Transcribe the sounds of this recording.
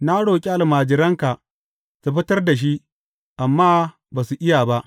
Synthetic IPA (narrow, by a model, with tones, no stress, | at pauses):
naː˦ɽoː˨kʲʼi˦ʔa˨lmaː˨d͡ʒɪ˨ɾɐ˦ŋka˨ʔ | ta˨ɸɪ˦tɐ˦rda˨ʃ̬i˦ʔ | ʔa˨mːaː˦ | baː˨su˨ʔɪ˦jaː˨ba˦ʔ